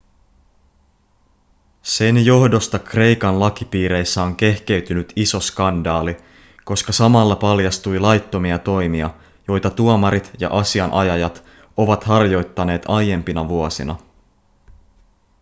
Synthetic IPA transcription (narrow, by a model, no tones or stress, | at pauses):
se̞njo̞hdo̞st̪ɑkre̞jkɑnlɑk̟ipiːɾe̞jsːæo̞ŋk̟e̞hke̞yt̪ynyt̪isoskɑndɑːli | ko̞skɑsɑmɑlːɑpɑljɑst̪ujlɑjt̪ːo̞miɑt̪o̞jmiɑ | jo̞jt̪ɑt̪uomɑɾit̪jɑ̰ʔɑsiɑnʔɑjɑjɑt̪ | o̞ʋɑt̪hɑrjo̞jt̪ːɑne̞ːt̪ɑjje̞mpinɑʋuosḭnɑ̰